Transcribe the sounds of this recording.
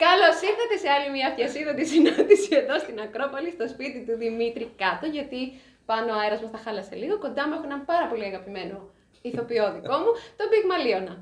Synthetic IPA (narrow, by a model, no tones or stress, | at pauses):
kɐlosiɾθɐt̪e̞se̞ɐlimɐfçɐsiðɐt̪isinɐnd̪isie̞ðo̞st̪inɐkɾo̞pɐlist̪o̞spit̪it̪uðimit̪ɾikɐt̪o̞ʝɐt̪i | pɐnoeɾɐzmɐsθɐxɐlɐse̞̰liɣo̞ko̞nd̪ɐmuexo̞enɐmpɐɾɐpo̞liɐɣɐpime̞no̞ | iθo̞pioðiko̞mut̪o̞biɣmɐlio̞nɐ